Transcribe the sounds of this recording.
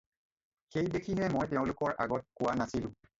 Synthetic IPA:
xejdekʰiɦɛmojtɛʊ̃lʊkɔɹʔa̰ɡɔt̚kʊwanasilʊ̰̃

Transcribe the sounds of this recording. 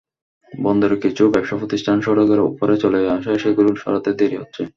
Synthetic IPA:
bɔnd̪eɾokit͡ɕʰubɛpʃapʰot̪istʰanʃɔɾoɡ̪aɾṵpoɾet͡ɕoleaʃaeʃeɡululʃɔ̰ɾat̪ed̪eɾiɦotːɕʰe

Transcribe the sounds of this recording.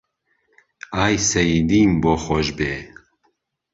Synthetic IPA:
aːjsɛjid̪iːmboːxɔʒbeː

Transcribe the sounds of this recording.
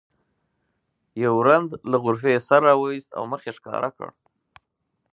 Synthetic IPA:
jawɾand̪laɣʊɾfesaɾːɑwəwist̪a̰wməxeʂkɑ̰ɾʔa̰kə̰ɽ

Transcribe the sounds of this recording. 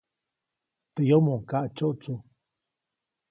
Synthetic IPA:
t̪əjomoŋkaʔt͡ʃoʔt͡su

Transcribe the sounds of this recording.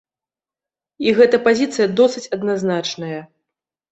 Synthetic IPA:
iɣɛt̪ɐpazʲit̪sɨjɐd̪ɔsɨt͡sʲɐd̪naznat͡ʂnɐjɐ

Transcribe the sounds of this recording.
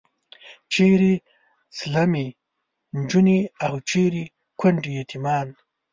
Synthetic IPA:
t͡ʃeːɾi | slɐmi | nd͡ʒuniawt͡ʃeɾi | kʰʷɐɳʈijet̪ʰimɑːn

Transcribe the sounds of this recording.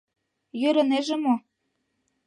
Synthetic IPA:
jøɾɤ̆neʒĕmo

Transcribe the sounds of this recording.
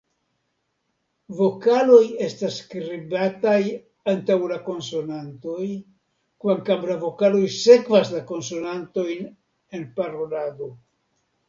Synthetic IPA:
vo̞kalo̞je̞stasːkɾibataj | antawlako̞nso̞nanto̞j | kvaŋkamlavo̞kalo̞jse̞kvaslako̞nso̞nanto̞jn | e̞npaɾo̞lado̞

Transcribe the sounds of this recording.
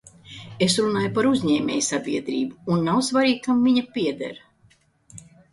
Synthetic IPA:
esɾunaːjupaɾuzʲɲɛːmʲɛ̰ːjsabʲiɛd̪ɾḭːbuːnːawsvaɾiːɡkamviɲapʲiɛd̪ɛ̰ɾ

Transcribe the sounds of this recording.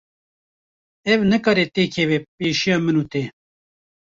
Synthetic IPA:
ɛvnɨkɑːɾet̪eːkʰevepeːʃijɑːmɨnuːt̪eː

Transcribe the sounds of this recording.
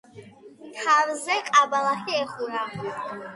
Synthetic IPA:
t̪ʰavzɛqʼabalaχɛɛχuɾa

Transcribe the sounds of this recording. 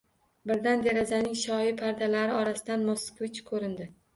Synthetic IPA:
bɪɾd̪and̪eɾazanɪŋʃɒjɪpʰaɾd̪alaɾɪɒɾasɪd̪anmoskvɪt͡ʃkʰɵɾɪnd̪ɪ

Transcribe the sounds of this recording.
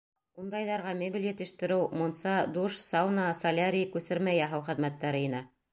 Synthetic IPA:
und̪ɑjðɑɾʁɑmʲebʲiljɘ̆t̪ɘ̆ʃt̪ɘ̆ɾɘwmŏnsɑd̪uʃsɑwnɑsɐlʲaɾʲikʉsɘɾmæjæɦɑwχɘ̆ðmæt̪ːæɾɘinæ

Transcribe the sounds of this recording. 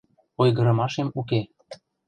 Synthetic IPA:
ojɣɤ̆ɾɤ̆mɑʃemuk̬e

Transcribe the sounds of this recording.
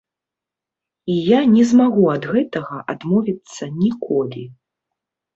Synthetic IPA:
ijanʲɛzmaɣuɐd̪ɣɛt̪ɐɣɐʔa̰d̪mɔvʲit̪sːɐnʲikʰɔlʲi

